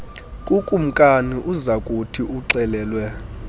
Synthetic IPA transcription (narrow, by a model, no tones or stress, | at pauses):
kʼukʼum̩kʼaniʔuzakʼutʰiʔuǀɛlɛːlwɛ